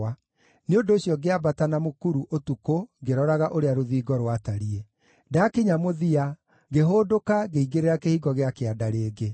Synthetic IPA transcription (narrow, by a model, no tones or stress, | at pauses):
a | neondoːɕjɔɡeabatanamokuɾuʔotukoɡeɾɔɾaɣaʔoɾeaɾoðiːɡɔɾwataɾie | dakeɲamoðia | ɡeɦoːdokaɣeiɡeɾeɾakehiɣɔɣeakeadaɾeːɡe